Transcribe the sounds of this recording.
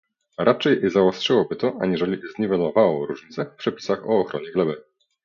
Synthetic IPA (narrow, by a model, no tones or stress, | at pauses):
ɾʔat͡ʂɛjzawɔstʂɘwɔbɘt̪ɔʔaɲiʐɛlʲizɲivɛlɔvawɔɾuʐɲit̪sɛfpʂɛpʲi̥saxɔːxɾɔɲɛɡlɛbɘ